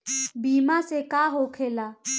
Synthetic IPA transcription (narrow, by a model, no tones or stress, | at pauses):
biːmasekaɦokʰela